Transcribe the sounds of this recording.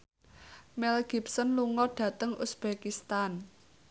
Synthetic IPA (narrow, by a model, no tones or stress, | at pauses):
mɛlɡ̥ipsənluŋɔɖ̥ä̤t̪əŋʔusb̥ekist̪an